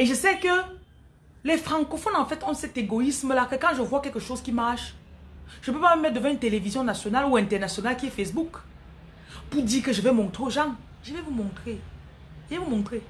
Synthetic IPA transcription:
eʒəsɛkə | lɛfχɑ̃kɔfɔnɑ̃fɛt̪ɔ̃sɛt̪eɡɔisməlakəkɑ̃ʒəvwakɛlkəʃozkʲimaʁʃ | ʒ̥əpøpaməmɛt̪̚d̪əvɑ̃ynt̪elevizjɔ̃nasjɔnaluɛ̃t̪ɛʁnasjɔnalkʲiɛfɛsbuk | puʁd̪iːʁkəʒəvɛmɔ̃t̪χoʒɑ̃ | ʒəvɛvumɔ̃t̪χe | ʒəvɛvumɔ̃t̪χe

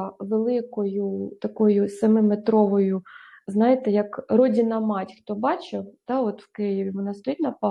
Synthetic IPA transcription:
ʋelˠɪkɔjut̪ɐkɔjʊsɐmɪmet̪ɾɔʋɔjuznɑjɪt̪ɛjɐkrɔdʲɪnɐmɑtʲxt̪ɔbɑt͡ʃet̪ɑɔt̪wkɪjɪʋʲiʋɔnɑst̪ɔjitʲnɐpɑ

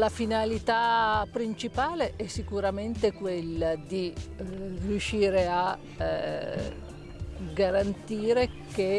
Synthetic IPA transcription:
lafinalit̪apːɾint͡ʃipaːleʔɛsːikuɾament̪ekwelːad̪i | rjuʃːiːɾea | ɡaɾant̪iːɾeke

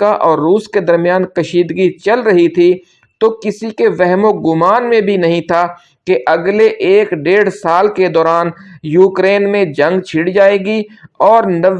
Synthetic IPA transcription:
aʔɔːɾːuːsked̪ɐɾmijaːnkɐʃiːd̪ɡit͡ʃɐlɾɐɦit̪ʰi | t̪okɪsikeʋɛɦmõɡʊmaːnmẽbʱinɐɦĩt̪ʰa | keʔɐɡleʔeːkɖeːɽsaːlked̪ɔːɾaːnjuːkɾeːnmẽd͡ʒɐ̃ŋɡt͡ʃʰɪɽd͡ʒaːeːɡiɔːɾnɐ

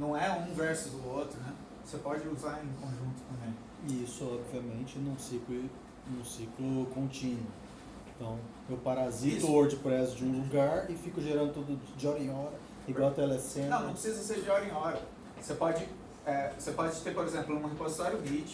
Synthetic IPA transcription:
nɐ̃w̃ɛũvɛɾsʊzd̪ʊot̪ɾʊnɛ | osepɔd͡ʒɪuzaɾẽkõʒũnt̪ʊ̥k̪ɐ̃ẽlɪ | ɪisʊɔbviɐmẽnt͡ʃɪnũsikɪ | nũsiklʊkõnt͡ʃĩnwʊ | ẽt̪ɐ̃w̃ | ewpaɾazit̪ʊoɾd͡ʒɪpɾɛsʊd͡ʒɪũluɡaɾɪfikʊʒeɾɐ̃nd̪ʊt̪ud̪ʊd͡ʒɪɔɾẽj̃ɔɾɐ | iɡwawt̪ɛlɛsẽnɐ̃nɐ̃pɾɪsizɐseɾd͡ʒɪɔɾẽj̃ɔɾɐ | sepɔd͡ʒɪ | ɛosepɔd͡ʒɪt̪eɾpoɾezẽplʊũɦepozit̪ɔɾjʊɦit͡ʃ

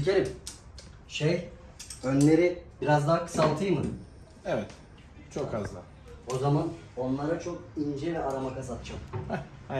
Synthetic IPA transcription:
zicʰʲeɾʲim | ʃej | ønlʲe̞ɾibiɾazd̪akʰɯ̥salˠt̪ʰɯjmɯ | ɛvɛt̪ | t͡ʃʰokhazlˠa̰ | o̞zaman | o̞nlˠaɾat͡ʃʰo̞k̚ind͡ʒɛlʲɛaɾamakazat̪t͡ʃʰam

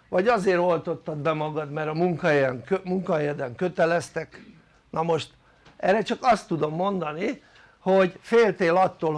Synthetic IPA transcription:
ʋɒɟɒzeːɾo̞lt̪o̞t̪ːɒd̪bɛmɒɡɒd̪mɛɾɒmuŋkɒɦɛjɛŋømuŋkɒɦɛjɛd̪ɛŋkøt̪ɛlɛst̪ɛk | nɒmo̞ʃt̪ | ʔɛrɛt͡ʃɒkɒst̪ːud̪o̞mːo̞nd̪ɒni | ho̞ɟfeːlt̪eːlɒt̪ːoːl

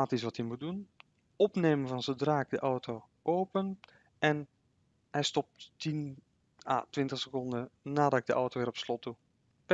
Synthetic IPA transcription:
aːtis̬ʋɑthimut̚dun | ɔpneːmənvɑnzədraːk̚dəʔɔwtʰoː | ʔoːpən | ʔɛn | hɛjstɔp̚ttin | a̰tʋɪntəχsəkɔndənaːdɔɪɡ̚dəʔɔwtoːʋɪːɾrɔpslɔtu

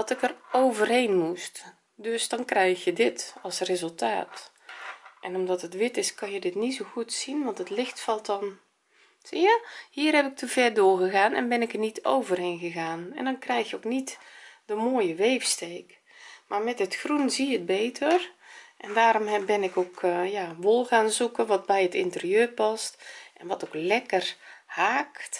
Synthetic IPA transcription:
dtɪkərowvərɦeːnmust | døsdɔnkrɛjxjədɪtɔlˠsrezəlˠta̰ːt | ʔɛnɔmdɔtətʋɪtɪskɑnjədɪtnitsoɣutsinʋɑntətlɪxtfɑlˠtɔn | sjahiːərhɛpɪk̚təv̥ɛrdʊːrɣəɣaːnɛ̰nbɛnɪkərnito̰wvərheːnɣəɣaːnɛ̰ndɔnkrɛjxjəowknitdəmoːjəʋeːfsteːk | marmɛtətxrunziət̚beːtʰərʔɛndaːɾombɪnɪkokjaʋolˠɣaːnzukənʋɔt̚bɛjətɪntəriøːrpɑstʔɛnʋɔtoklɛkərhaːkt

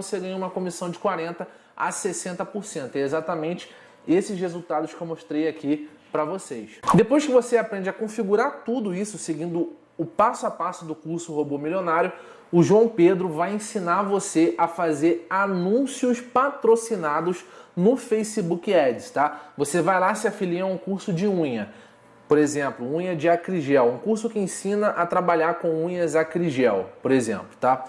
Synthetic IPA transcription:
oseɡɐ̃ɲũmɐkõmisɐ̃w̃d͡ʒɪkwaɾẽnt̪ɐ | a̰sesẽnt̪ɐpoɾsẽnt̪ʊɛezat̪ɐmẽnt͡ʃɪ̥ | esɪʃhezuwt̪ad̪ʊʃkɪewmoʃt̪ɾejaki | pɾɐvosejsd̪epojʃkɪvoseapɾẽnd͡ʒɐkõfiɡuɾaɾt̪ud̪ʊisʊseɡĩnd̪ʊ | ʊpasʊapasʊd̪ʊkuɾsʊhobomilʲionaɾjʊ | ʊʒuɐ̃w̃ped̪ɾʊvajẽsinaɾvoseʔɐfazeɾanũsiʊspat̪ɾosinad̪ʊznʊfejsibukɪɛd͡ʒɪst̪avosevajlasɪafiliɐũkuɾsʊd͡ʒɪũɲɐ | poɾezẽplʊũɲɐd͡ʒɪakɾiʒɛwũkuɾsʊkɪẽsĩnɐʔɐt̪ɾabaʎaɾkõw̃ũɲɐzakɾiʒɛwpoɾezḛ̃plʊ̥t̪a

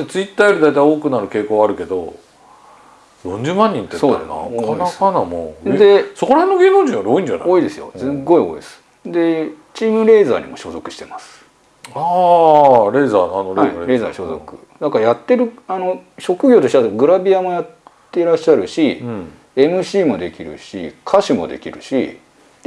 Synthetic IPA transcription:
t̪et͡sɨit̪ːaːjoɾid̪ajt̪aioːkɯ̟naɾɯ̟ke̞ːkoːβaaɾɯ̟ke̞d̪o̞̰ | jõ̞ɲ̟d͡ʑɨːmãɲ̟ːĩnt̪ːesoːd̪̰ɾ̰na̰okːʰanakanamo̰ed̪e̞so̞ko̞ɾaɦhe̞nːoɡʲeːnod͡ʑĩjoɾo̞ːĩɲd͡ʑana̰o̞ːid̪e̞sɨjo̞̰zẽɡo̞io̞̰ːḭd̪esɨ̥ | d̪e̞ | t͡ɕiːmɯ̟ɾe̞ːza̰ːɲ̟ḭmo̞̰ɕo̞̰ːzo̞kɯ̟ɕi̥t̪e̞masɨ̥ | a | ɾe̞ːzaːanoɾaiɾe̞ːza̰ːɕo̞ːzo̞̰kɯ̟̰ | d̪akajat̪ːe̞ɾɯ̟ano̞ɕo̞kɯ̟ɡʲo̞ːt̪o̞ɕit̪aɡɯ̟ɾabʲiamo̞jat̪ː | e̞ɾaɕːaɾɯ̟ɕi | e̞mɯ̟ɕiːmo̞d̪e̞kʲiɾɯ̟̰ɕḭkʰaɕimo̞d̪e̞kʲiɾɯ̟̰ɕḭ | d̪̥e

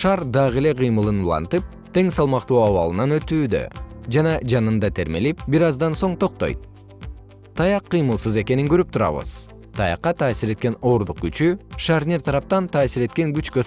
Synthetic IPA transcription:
ʃɑɾd̪ɑʁele̞qʰɯjmɯlˠɯnulˠɑ̰nt̪ɯp̚ | t̪ʰe̞ŋsɑlˠmɑqt̪uːɑβɑ̰lˠɯnɑnø̞t̪yːd̪ø̞̰d͡ʒɑnɑd͡ʒɑnɯnd̪ɑt̪ʰe̞ɾme̞lipbiɾɑzd̪ɑnso̞ɴt̪ʰo̞q̚t̪o̞̰jt̪̚ | t̪ʰɑjɑqːɯjmɯlˠsɯze̞ke̞niŋɡøɾyp̚t̪ʰuɾɑ̰βɯ̰z̥ | t̪ʰɑjɑ̰qːɑt̪ʰɑːsiɾe̞t̪̚ke̞no̞ːɾd̪uq̚ɡyt͡ʃyʃaɾnʲeɾt̪ʰɑɾɑp̚t̪ɑnt̪ʰɑːsiɾe̞t̪̚ke̞ŋɡyt͡ʃkø

